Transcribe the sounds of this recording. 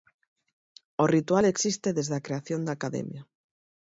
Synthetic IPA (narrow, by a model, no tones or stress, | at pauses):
orit̪waleksist̪eðezðakɾeaθjond̪akaðḛmja